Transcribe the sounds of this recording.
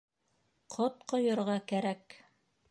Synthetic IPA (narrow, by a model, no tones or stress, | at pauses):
qʰot̪̚qŏjɤ̆ɾʁɑkæɾæk